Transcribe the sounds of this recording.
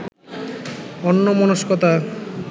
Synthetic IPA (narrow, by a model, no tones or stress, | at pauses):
ɔnːomɔnoʃkɔt̪a